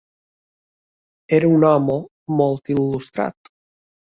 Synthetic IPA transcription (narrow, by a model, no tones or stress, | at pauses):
eɾaunɔmo | mɔlt̪ilːust̪ɾa̰t̪